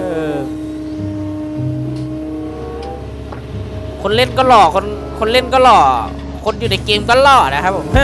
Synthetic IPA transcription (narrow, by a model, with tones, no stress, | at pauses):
ʔɤː˧˩ | kʰo˧nle˥˩nkɔː˥˩lɔː˨˩kʰo˧˥n | kʰo˧nle˥˩˨nkɔː˥˩˨lɔː˨˩ | kʰo˧njuː˨˩na˨˩jkeː˧mkɔ˥˩˨lɔ˧˩ʔa˨a˧˩kʰa˦˥p̚ʰo˨˩˦m